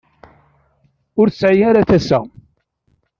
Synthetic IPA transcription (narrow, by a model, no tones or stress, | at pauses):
ʊɾθəsʕijaɾaθæsæ̰